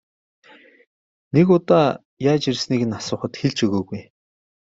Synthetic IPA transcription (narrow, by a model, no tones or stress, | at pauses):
nekʊt̪aː | jaːt͡ɕirsniːɣɘ̆nasʊːχə̆t̪xeɮt͡ɕɵɣoːɣuj